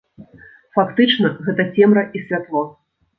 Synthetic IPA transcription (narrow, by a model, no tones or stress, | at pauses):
fakt̪ɨt͡ʂnɐɣɛt̪ɐt͡sʲɛmɾɐʔisʲvʲat̪lˠɔ